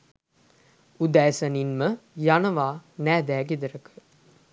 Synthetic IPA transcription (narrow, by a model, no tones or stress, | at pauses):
ud̪æːsəninməjanəʋaːnæːd̪æːɡed̪əɾəkə̥